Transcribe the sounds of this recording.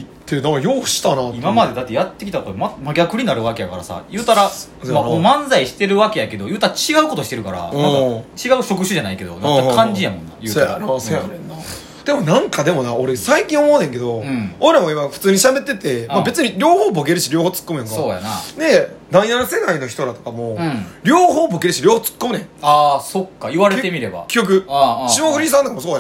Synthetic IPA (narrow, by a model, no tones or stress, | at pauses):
t̪ːenãkːjo̞ːɕi̥t̪anatimamad̪e̞d̪at̪ːejat̪ːe̞kʲit̪akot̪omamaɡʲakɯ̟ɲ̟inaɾɯ̟βake̞jakaɾasa̰jɯːt̪aɾa | mamomãnzaiɕi̥t̪e̞ɾɯ̟βake̞jake̞d̪ojɯ̟ːt̪aɾat͡ɕiɡaɯ̟ko̞t̪o̞ɕi̥t̪e̞ɾɯ̟kaɾa̰nãt͡ɕiɡaɯ̟ɕo̞kɯ̟ɕɨʑanaike̞d̪o̞̰nat̪ːakkãɲ̟d͡ʑijamõnːa̰jɯːt̪anː | d̪̥e̞mo̞nãŋkad̪e̞mo̞naoɾesaikʲĩɰ̃omo̞ːnẽ̞ŋke̞d̪õ̞oɾamaimaɸɯ̥t͡sɨːɲ̟iɕabe̞t̪ːe̞t̪e̞mabe̞t͡sɨɲ̟iɾʲo̞ːhoːbo̞k̬e̞ɾɯ̟ɕiɾʲo̞ːhoːt͡sɨ̥kːomɯ̟jãŋkasooːja̰nane̞nainanse̞kaino̞çi̥t̪oɾat̪okamo̞ɾʲo̞ːhoːboke̞ɾɯ̟ɕiɾʲoːhoːt͡sɨ̥kːomɯ̟nẽaso̞kːaiβaɾet̪emʲiɾe̞ba̰kʲijok̬ɯ̟ɕimoɸɯ̟ɾʲis̬ãnakamosoːja